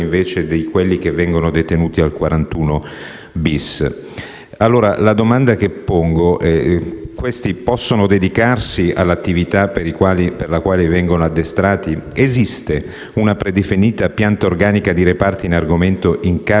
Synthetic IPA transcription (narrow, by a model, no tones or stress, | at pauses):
iɱveːt͡ʃed̪ejkwelːikevːɛŋɡonod̪et̪enuːt̪ialkwaɾʔant̪uːno | bis | alːoːɾa̰lad̪omand̪akepːoŋɡoʔɛkwest̪ipɔsːonod̪ed̪ikarsia̰lːat̪ːivit̪apeɾikwaːliperlakwaːlivɛŋɡonoad̪ːest̪ɾaːt̪iezist̪e | unapɾed̪efiniːt̪apjant̪aorɡaːnikad̪iɾepart̪inarɡoment̪oʔiŋka